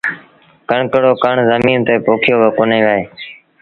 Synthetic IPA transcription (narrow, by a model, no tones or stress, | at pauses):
kəɳkəɽoːkəɳzəmiːnt̪eːpoːkʰɪjoːbəkoːnẽːʋəːeː